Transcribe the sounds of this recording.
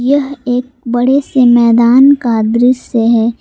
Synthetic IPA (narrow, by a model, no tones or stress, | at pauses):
jɐɦeːk̚bɐɽesemɛːd̪aːnkad̪ɾɪʃjəɦɛː